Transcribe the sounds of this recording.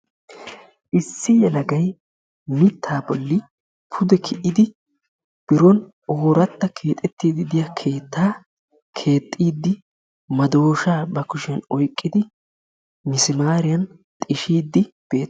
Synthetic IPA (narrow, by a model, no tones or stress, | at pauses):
ʔɪsːɪjɛlɐɡɐj | mɪt̪ʰːaːbɔlːɪ | pʰʊd̪ɛkʰɪʔɪd̪ɪ | b̥ɪɾɔn | oːɾɐt̪ːɐkʰe̞ːt̪ʼɛt̪ːiːd̪ɪd̪ɪjɐkʰe̞ːt̪ːaː | kʰe̞ːt̪ʼːiːd̪ːɪ | mɐd̪o̞ːʃaːbɐkʊʃɪɐnɔjkʼːɪd̪ɪ | mɪsɪmaːɾɪjɐn | t̪ʼɪʃiːd̪ːɪb̥e̞ːt̪ː